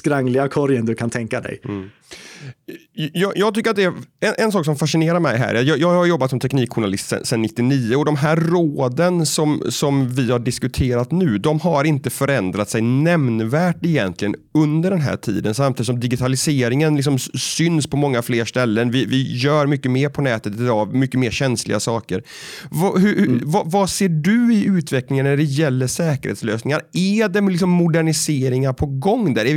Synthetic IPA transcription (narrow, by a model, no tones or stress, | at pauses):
skɾaŋlɪɡakʰɔɾjənd̪ɵkʰant̪ʰɛŋkad̪ɛ̰j | jɑːjɑːɡt̪ʰʏkːəɾat̪d̪ɛæɛnʔɛnsɑːksɔmfaʂɪneːɾaɾmɛjɦæ̰ːɾat̪jɑːjɑːɡhaɾjɔbːat̪sɔmt̪ʰɛkniːkɧʊɳalɪst̪sə̰sɛnːɪt̪ːɪniːəɔd̪ɔmɦæːɾroːd̪ənsɔmsɔmvɪhaɖɪskɵt̪ʰeːɾat̪nʉ̟ːd̪ɔmɦaɾɪnt̪əfœɾɛnd̪ɾat̪sɛjnɛmnvæːʈɪjɛnt̪lɪɡənɵnd̪əɖɛnɦæ̰ːʈʰḭːd̪ənsamt̪ʰiːd̪sɔmd̪ɪɡɪt̪ʰalɪseːɾɪŋənlɪks̬ɔmsʏnspʰɔmɔŋːafleːɾʂt̪ɛlːənvɪvɪjœːɾmʏkːəmeːɾpʰɔnɛːt̪ət̪ɪd̪ɑːmʏkːəmeːɾɕɛnslɪ̰ɡasɑːkəɾvɑɦɵhvavaseːɖɵɪʉ̟ːt̪vɛklɪŋənːæɖɛjɛlːəʂɛːkə̰ɾhḛːt̪sløːsnɪŋaɾæd̪ɛlɪksɔmːʊd̪æɳɪseːɾɪŋaɾpʰɔɡɔŋːd̪æɾɛ